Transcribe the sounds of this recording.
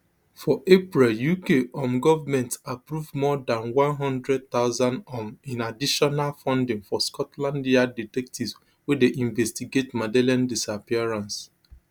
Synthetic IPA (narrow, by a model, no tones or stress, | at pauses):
fɔʔepɹiljukeʔɔ̃mɡɔvamɛ̃ntapɹuvmɔdãnwãnɦɔ̃ndɹɛd̚t̪aʊzãnɔ̃mĩnadiʃɔnalfɔ̃ndɪ̃ŋfɔskɔtlãndiaditɛk̚tivz | wedeʔĩɱvɛstiɡetmadɛlãndisapiaɹãns